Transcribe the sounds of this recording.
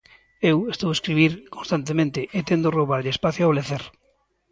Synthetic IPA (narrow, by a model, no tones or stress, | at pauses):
ewest̪oweskɾiβiɾkonst̪ant̪̬emẽnt̪ɪʔet̪end̪oroβaɾʎespaθjoaleθeɾ